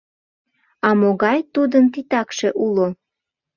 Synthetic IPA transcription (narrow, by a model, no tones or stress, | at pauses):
ɑmoɣɑjt̪ud̪ənt̪it̪ɑkʃeʔulo